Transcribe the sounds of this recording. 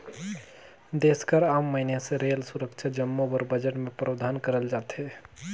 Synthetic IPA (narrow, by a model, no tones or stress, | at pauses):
d̪eskəɾamːəinesẽɾelsuɾəkt͡ʃʰad͡ʒəmːobəɾbəd͡ʒəʈmepɾəbd̪ʱankəɾəld͡ʒat̪ɦe